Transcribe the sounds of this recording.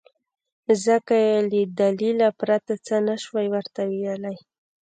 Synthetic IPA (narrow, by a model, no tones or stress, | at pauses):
zəkajeləd̪alilapɾat̪at͡sənaʃwajwəɾt̪awijalaj